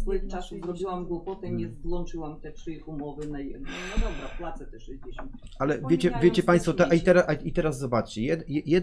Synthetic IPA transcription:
ɛkt͡ʂasuzɾɔbʲiwamɡwupɔt̪ɛɲʲɛzɡ̪wɔnt͡ʂɘwamt̪ɛtʂɘjxumɔvɘnajɛɛnad̪ɔbɾaplat̪sɛt̪ɛʂɛd͡ʑeɕ | ʔalɛvʲjet͡ɕɛvʲjet͡ɕɛpãj̃st̪fɔt̪ɛʔait̪ɛɾaʔait̪ɛɾaz̬ːɔbat͡ʂt͡ɕɛjɛd̪jɛjɛd̪

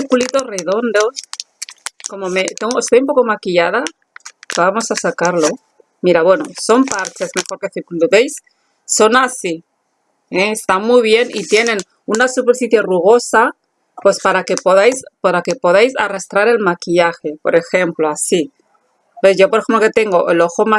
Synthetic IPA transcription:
iɾkulit̪o̞sreð̞o̞nd̪o̞s | ko̞mo̞met̪eŋɡoest̪ojumpo̞ko̞makiʎað̞a | βamo̞sasakaɾlo̞ | miɾaβwe̞no̞̰so̞mpaɾt͡ʃezme̞xo̞ɾke̞θiɾkuluðejsː | o̞nasi | eest̪amujβje̞nḭt̪je̞nẽ̞n | unasupeɾfiθjeruɣ̞o̞sa | pe̞spaɾake̞poðajspaɾake̞po̞ð̞ajsa̰rast̪ɾaɾe̞lmakiʎaxe̞po̞̰ɾe̞xe̞mploasi | eʝo̞poɾexe̞mplo̞ke̞t̪e̞ŋɡo̞ʔe̞lo̞xoma

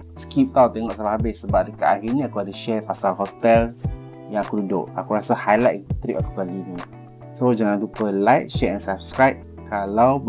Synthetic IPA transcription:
skip̚t̪awt̪ɛŋɔʔsamaɦabɪhsəbap̚dəkaʔaɦinĩakuadəʃɛrpasalɦot̪ɛl | jaŋakududʊ̰ʔa̰kuɾasahajlajt̪t̪ɾiʔaku̥pallinĩ | sod͡ʒaŋandupəlajt̚ʃɛɛnsap̚skɾajp̚ | kalaw

